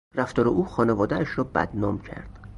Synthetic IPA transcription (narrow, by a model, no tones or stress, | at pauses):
ræft̪ɒːɾeʔuːxɒːnevɒːd̪ææʃɾɒːbæ̰d̪̥nɒːmcʰæ̰ɾd̪̥